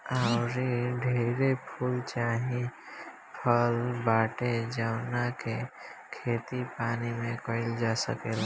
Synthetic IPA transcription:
aʊɾiɖʱeːɾepʰuːlt͡ʃaːɦĩ | pʰəlbaːʈed͡ʒəwnakekʰeːt̪ipaːnimẽkəɪld͡ʒaːsə̰keːla

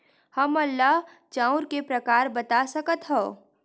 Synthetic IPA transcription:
hɐmɐlːaɦ | t͡ʃãːʊɾkepɾɐkaːɾbɐt̪asɐkət̪ɦɛ

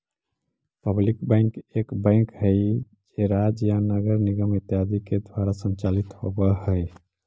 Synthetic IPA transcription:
pəblikbə̃ɪŋkekbãɪ̃ŋkɦəj | d͡ʒeɾad͡ʒjanəɡəɾniɡəmit̪jad̪iked̪ʱwaɾasənt͡ʃalit̪hobəhəj

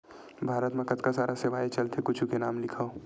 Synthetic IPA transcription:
bʱaːɾət̪mẽkɐt̪kasaːɾaseʋaːet͡ʃɐlt̪ʰekʊt͡ʃʰukenaːmlɪkʰao

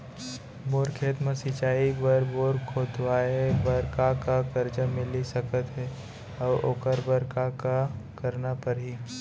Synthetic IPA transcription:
boːɾkʰeːt̪mə̃sɪt͡ʃaːibəɾboːɾkʰoːt̪waːebəɾkakakɐɾd͡ʒamɪlisɐkət̪ɦɛː | ɔːɾoːkəɾbəɾkakakɐɾnapɐɾɦiː

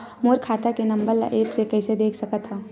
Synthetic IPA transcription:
moːɾkʰaːt̪akenəmbəɾla̰ʔeːpsekəɪsed̪eːkʰsəkət̪ɦɛː

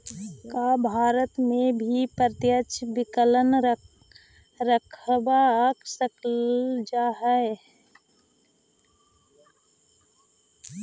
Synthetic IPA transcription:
kaːbʱaːɾət̪mẽbʱipɾt̪jət͡ʃʰbɪkələn | ɾəkʰbaaksəkd͡ʒaːɦəe

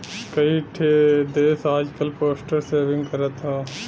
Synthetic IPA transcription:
kəiʈʰed̪eːsaːd͡ʒkəlpoːsʈəɾseːʋɪ̃ŋɡkəɾət̪ɦãː

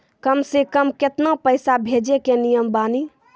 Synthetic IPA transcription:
kəmsekəmket̪napəɪsabʱed͡ʒekenijəmbani

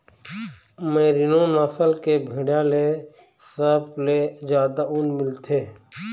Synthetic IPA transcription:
meːɾinõnaːsəlkebʱɪɽjale | səbled͡ʒjaːd̪aʔunmɪlt̪ʰeː

